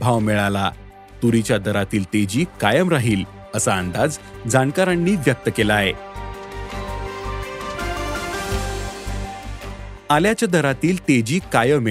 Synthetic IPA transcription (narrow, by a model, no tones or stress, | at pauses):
bʱaʋmeɭala̰ | t̪uɾit͡ɕjad̪ʱəɾat̪iːlt̪ed͡ʑiːkajəmɾaɦiːl | əsaənd̪ad͡z | d͡zankaɾaɳːiːʋjək̚t̪əkelae | aljat͡ɕjad̪əɾat̪iːlt̪ed͡ʑiːkajəme